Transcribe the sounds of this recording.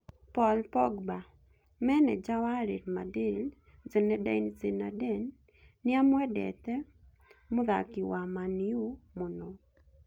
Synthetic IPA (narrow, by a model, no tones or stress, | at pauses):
pɔlpɔɡba | mɛnɛd͡ʒawaɾiɾma̰dɪl | t͡senɛdaint͡sena̰dɛnː | ɪamwɛdɛ̰t̪ɛ | mʊða̰kɪwamaniumʊnɔ